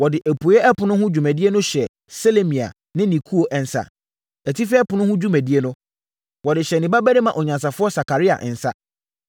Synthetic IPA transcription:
wɔ˨dɪ˨ʔæ˨pʰu˨˦ɛ˦ʔɛ˦pʰʊ̃˨nʊ̃˦ɦʊ̃˦d͡ʑᶣu˨mæ̃˨di˦e˦nʊ̃˦ɕɛ˨ | se˦le˦mĩ˨a̰˨ | nɪ̃˦nĩ˨kʰu˦o˨ʔɛ˨n̩˨sa̰˨ | æ˨tʰi˦fɛ˦ɛ˦pʊ˨nʊ̃˦hʊ̃˦d͡ʑᶣu˦mæ˨di˦e˦nʊ̃˦ | wɔ˨dɪ˨ɕɛ˨nɪ̃˨ba˦bæ˦ɾe˦mã˨ʔɔ˨ɲã˨ns̬a˨fʊ˦ɔ˦sa˨kʰa˨ɾi˦a̰˨ʔɪ˨n̩˨sa˦

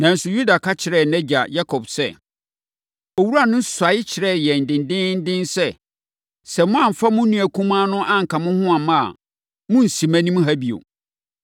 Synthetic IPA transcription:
nã˨n̩˨sʊ˨ju˦da˨kʰa˦t͡ɕʰɪ˨ɾɛ˦˨nɛ̃˦d͡ʑa̰˨ja˦kʰɔ˨bsɛ˦˨ | o˨wu˦ɾu˦a˦˨nʊ̃˦n˦sa˨˦ɪ˦t͡ɕʰɪ˨ɾɛ˦˨jɛ˨n̩˨dɪ̃˨ndɪ̃˦n̩˦dɪ̃˦nsɛ˦ | sɛ˨mʊ̃˦ã˦˨m̩˨fa˦mʊ̃˦nũ˦æ˨kʰũ˦mã˦nʊ̃˦ʔa˦ŋ̩˨kʰã˨mʊ̃˦hʊ̃˦ã˨mã̰˦˨ | mʊ̃˦n̩˨sĩ˨mæ̃˦nĩ˦m˦ɦa˦bi˨o̰˨

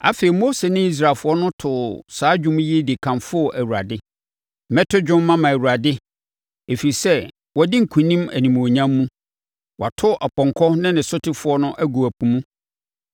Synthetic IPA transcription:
a̰˦fe˨i˨mo˦se˨nɪ̃˦i˦s̬ɾaː˨lfʊ˨˦ɔ˦nʊ̃˦tʰʊ˨saː˦d͡ʑᶣũ˦m̃˦ji˦di˨kʰã˨mfʊ˦ɔ˨ʔæ˨wu˨ɾa˨dɪ˦˨ | mɛ˦tʰʊ˦d͡ʑᶣʊ̃˦mː˦ã˦mã˨æ˨wu˨ɾa˨dɪ˦ | e˨fi˨ɾi˨sɛ˦ | wɔ˨dɪ˦ŋ̩˨kʰũ˨nĩ˦mæ̰˨nĩ˨m˨o˨ɲã˦mːũ˦ | wʔa̰˨tʰʊ˦ʔa˨pɔ̃˨ŋkʰɔ˦nɪ̃˦nɪ̃˨sʊ˦tʰɪ˦fʊ˨˦ɔ˦nʊ̃˦ʔæ˦ɡu˨æ˨pũ˨mũ˦

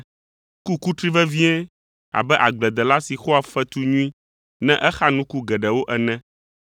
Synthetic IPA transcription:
ku˦ku˦t̪ɾi˦vɛ˦vĩ˦ɛ˦ | a̰˨bɛ˦ʔa˨ɡ͡blɛ˨d̪ɛ˨la˦si˨xɔ˦a˨fɛ˦t̪u˦ɲũ˦ĩ˦ | nɛ̃˦ʔɛ˦xa˦nũ˦ku˦ɡɛ˨ɖɛ˨wo˦ʔɛ˨nɛ̃˦

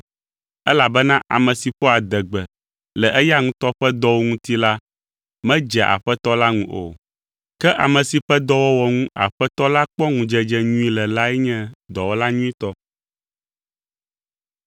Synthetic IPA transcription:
ɛ˦la˨bɛ˦nã˦ʔa̰˨mɛ̃˨si˨ɸɔ˦a˨d̪ɛ˨ɡ͡bɛ˨ | lɛ˨ʔɛ˦ja˦ŋũ˦t̪ɔ˦ɸɛ˦d̪ɔ˦wo˦ŋũ˦t̪i˦la˦ | mɛ̃˦d͡ʒɛ˨ʔa̰˨ɸɛ˦t̪ɔ˦la˦ŋũ˦ʔo̰˨ | kɛ˦ʔa˨mɛ̃˨si˨ɸɛ˦d̪ɔ˦wɔ˦wɔ˨ŋũ˦a̰˨ɸɛ˦t̪ɔ˦la˦k͡pɔ˦ŋũ˨d͡ʒɛ˦d͡ʒɛ˦ɲũ˦i˦lɛ˨la˦ɛ˦ɲɛ̃˦d̪ɔ˨wɔ˦la˦ɲũ˦ĩ˦t̪ɔ˦

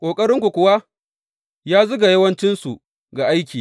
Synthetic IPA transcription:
kʷʼoː˨kʼɐ˦ɾɪ˦ŋkʷu˨kʷʊ˨wa˦ | jaː˦zʊ˦ɡa˨jɐ˦wɐ˦nt͡ʃɪ˦nsu˨ | ɡa˨ʔa˦jkʲiː˨

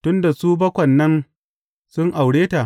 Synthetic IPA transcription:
tʊ˦nda˨suː˦bɐ˦kʷɐ˨nːɐ˦n | sʊ˦ŋʔa˨wɽeː˦ta˨

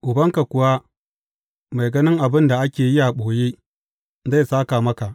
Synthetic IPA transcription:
ʔʊ˨bɐ˦ŋka˨kʷʊ˨wa˦ | ma˨jɡɐ˦nɪ˦ŋʔa˨bɪ˦nda˨ʔa˦kʲeː˨jɪ˦ja˨ɓoː˨jeː˦ | za˦jsaː˦ka˨mɐ˦ka˨ʔ

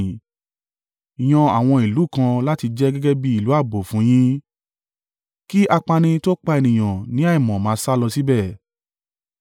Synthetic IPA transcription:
i˨j̃ɔ̃˧a˨w̃ɔ̃˧i˨lu˨˦˨kã˧la˦ti˧d͡ʒɛ˦ɡɛ˦ɡɛ˦bi˦i˦˨lu˨˦a˦˨bo˨fũ˨˦j̃ĩ˦ | ki˦ʔa˧k͡pa˧nĩ˧to˦k͡pa˧e˧nĩ˨j̃ã˨nĩ˨˦a˦i˨mɔ̃˨mãː˨˦sa˦lɔ˧si˦bɛ˦˨

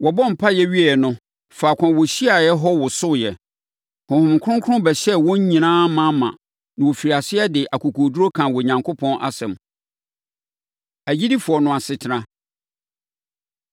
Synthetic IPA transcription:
wɔ˨bɔ˦m̩˨pʰa˦jɛ˦ɥi˦ɛ˨nʊ̃˦ | fa˨kʷʰã˨wo˨ɕi˦a˨jɛ˦ɦɔ˦wʊ˨sʊ˦˨jɛ˨ | hʊ̃˨hʊ̃˨m˨kʰʊ˦ʊ̃˦ŋ˦kʰʊ˦ʊ̃˦bɛ˨ɕɛ˦wɔ̃˦ɲ˦ɲĩ˨nãː˦mã˦mã̰˨ | nã˨wo˨fi˨ɾa˨sɪ˦ɛ˦dɪ˨ʔa˨kʰu˨kʰo˨du˦ɾo˦kʰã˨wɔ˨ɲã˨ŋkʰo˦pʰɔ̃˦nʔa̰˨sɛ̰̃˨m | æ˨d͡ʑi˦di˦fʊ˨ɔ˨nʊ̃˨a˨sɪ˨tʰɪ˨˦nã˦

